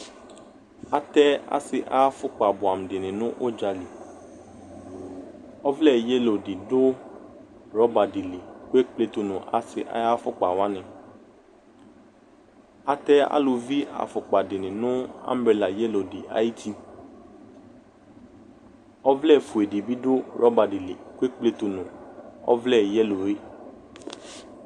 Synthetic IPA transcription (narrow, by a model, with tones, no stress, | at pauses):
a˨t̪ɛ˦a̰˨sɪ˨ʔa̰˦ja˦fʊ˦k͡pa˨bʊ˨a˨m̩˨dɪ˨nɪ̃˨nʊ̃˦ʔo˦d͡ʒa˨li˨ | ɔ˦vlɛ˦˨je˦lo˨di˨dʊ˦ | ɾɔ˦ba˨dɪ˨li˨ke˦k͡ple˦t̪o˨nʊ̃˨ʔa˨sɪ˨ʔa̰˨˦ja˦fʊ˦k͡pa˨wa˦nɪ̃˨ | a˨t̪ɛ˦a̰˦lo˧vi˦a̰˨fɔ˨k͡pa˨dɪ˨nɪ̃˨nʊ̃˦a̰˦m˦bɾe˨la˨jɛ˦lo˨di˨a̰˦ji˦t̪i˦ | ɔ˦vlɛ˦˨fu˨e˨di˨bi˦dʊ˦ɾɔ˦ba˨dɪ˨li˨ku˦e˦k͡ple˧˨t̪o˨nʊ̃˨ɔ̰˦vlɛ˦˨jɛ˦lo˨ɾe˦